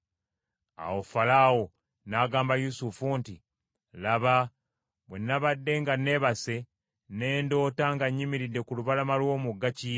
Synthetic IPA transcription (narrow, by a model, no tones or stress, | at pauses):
a̰wo̞falawo | naɡaːmbajusufunti | laβa | βwenːaβadːe̞ŋɡane̞βase̞ | ne̞ːndo̞ːtaŋɡaɲːimiɾidːe̞kuluβalamalwo̞ːmuɡːaci